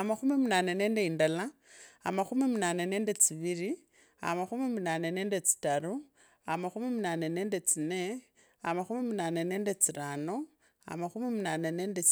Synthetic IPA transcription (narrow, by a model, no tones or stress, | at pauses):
amaxumimunane̞ne̞ːndeindala | a̰maxumimunanene̞ːnde̞t͡siβiɾi | a̰maxumimunaːne̞ne̞ːnde̞t͡si̥taɾu | amaxumimunane̞neːnde̞t͡sine̞ | amaxumimunaneneːndet͡siɾano̞ | a̰maxumimunanene̞ːnde